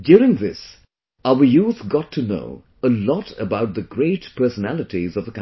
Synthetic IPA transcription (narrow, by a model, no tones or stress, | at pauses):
djʊɹɪ̃ŋðɪs | aʊə˞juθɡɑtʰːɨno̰ʊ | əlɔɾə̰baʊt̪̚ðəɡɹeɪtpʰɜ˞sənælˠɨtizʌvðəkã